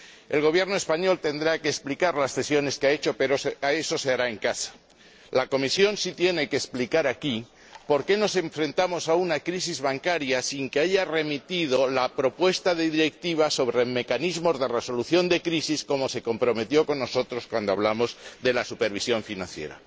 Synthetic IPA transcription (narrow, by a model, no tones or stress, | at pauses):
e̞̰lɣo̞β̞je̞ɾnoe̞spaɲo̞lt̪e̞nd̪ɾake̞ːsplikaɾlasle̞sjo̞ne̞skeae̞t͡ʃo̞pe̞ɾosae̞so̞se̞aɾae̞ŋkasḁ | lako̞misjo̞nsit̪je̞ne̞keːsplikaɾaki | po̞ɾke̞no̞se̞ɱfɾe̞nt̪amo̞saunakɾisizβaŋkaɾjasiŋkeaʝare̞mit̪ið̞o̞lapɾo̞pwe̞st̪aðe̞ðiɾe̞k̚t̪iβ̞aso̞βɾeme̞kanizmo̞zðe̞re̞so̞luθjo̞nd̪e̞kɾisisko̞mo̞se̞ko̞mpɾo̞me̞t̪jo̞ko̞nːo̞so̞t̪ɾo̞skwand̪oa̰βlamo̞zðe̞lasupe̞ɾβ̞isjo̞ɱfinãnθje̞̰ɾa̰